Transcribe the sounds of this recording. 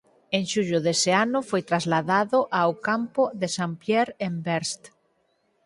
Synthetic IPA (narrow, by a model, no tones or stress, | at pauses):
ẽŋʃuʎoðeseanʊfojt̪ɾazlaðaðoʔawkampoðesampjɛɾembɛɾst̪